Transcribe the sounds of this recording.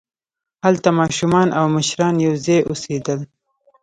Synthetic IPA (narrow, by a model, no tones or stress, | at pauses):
halt̪amɑʃumɑnʔawməʃɾɑnjawzejʔosed̪əl